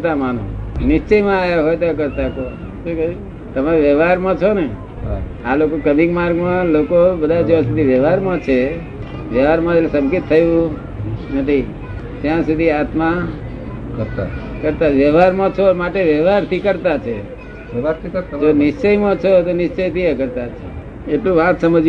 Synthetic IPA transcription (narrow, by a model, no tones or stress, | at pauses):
t̪amanõ̰nɪst͡ʃəjmãːjaɦojt̪ak̬əɾt̪ako | ʃũk | t̪əmaeʋjəʋaɾmãt͡ʃʰone | alokokəmikmaɾɡmãlokobəd̪ʱad͡ʒoãsud̪ʱiʋjəʋaɾmãt͡ʃʰe | ʋjəʋaɾmãelsə̃mkit̪ʰːəjũ | nət̪ʰi | t̪jãsud̪ʱiat̪ma | kəɾt̪a̰ | kəɾt̪aʋjəʋaɾmãt͡ʃʰomaʈeʋjəʋaɾt̪ʰikəɾt̪at͡ʃʰe | d͡ʒonɪst͡ʃəjmãt͡ʃʰot̪onɪʃt͡ʃəjt̪ʰiekəɾt̪at͡ʃʰe | eʈlũʋãt̪səməd͡ʒ